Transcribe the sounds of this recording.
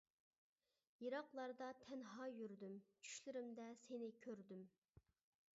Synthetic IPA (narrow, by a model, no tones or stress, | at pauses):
jiɾɑqlˠɑɾd̪ɑt̪ʰɛnɦɑjyɾd̪ymt͡ʃʰy̥ʃlɪɾɪmd̪ɛsenɪkʲʰøɾd̪ym